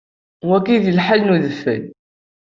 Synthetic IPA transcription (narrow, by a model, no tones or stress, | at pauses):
wækːiðəlħalnuðəfːə̰n